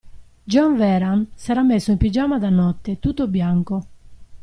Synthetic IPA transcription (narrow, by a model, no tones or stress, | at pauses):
d͡ʒɔɱvɛɾansaɾamːesːoimpid͡ʒamad̪anːɔt̪ːet̪ut̪ːobjaŋko